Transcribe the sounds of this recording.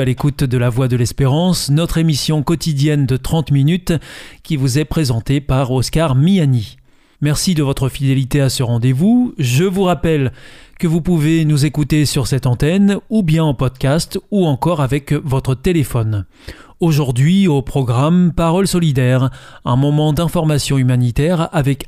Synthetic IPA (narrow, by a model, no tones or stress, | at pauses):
alekut̪d̪əlavwad̪əlɛspeʁɑ̃snɔt̪χemisjɔ̃kɔt̪id̪jɛnd̪ət̪χɑ̃t̪minyt̪kʲivuzɛpχezɑ̃t̪epaʁɔskaʁmijani | mɛʁsid̪əvɔt̪χəfid̪elit̪easəʁɑ̃d̪evuʒəvuʁapɛlkəvupuvenuzekut̪esyʁsɛt̪ɑ̃t̪ɛnubjɛ̃ɑ̃pɔd̪kʲast̪uɑ̃kɔʁavɛkvɔt̪χət̪elefɔn | oʒuʁd̪ɥiopχɔɡʁampaʁɔlsɔlid̪ɛʁɛ̃mɔmɑ̃d̪ɛ̃fɔʁmasjɔ̃ymanit̪ɛʁavɛk